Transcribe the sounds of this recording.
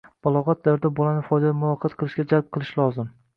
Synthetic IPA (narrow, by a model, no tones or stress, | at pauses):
b̥ɒlˠɒʁɒt̪̚d̪aɾd̪abolanɪfɒjd̪ad̪amʊvɒqʰɑt̪qʰɨlˠɪʃɡʲad͡ʒalb̚qʰɨlˠɪʃlˠɒzɪm